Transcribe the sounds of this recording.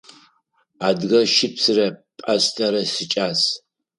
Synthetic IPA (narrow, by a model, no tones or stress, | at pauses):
aːdɣɐʃɪpsɨrɐpʼɐɕtʰʼɐɾɐsɨt͡ʃʼaːs